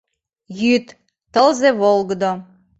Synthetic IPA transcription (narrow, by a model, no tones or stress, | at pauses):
jyt̪ː | əlˠzevolˠɡə̆d̪o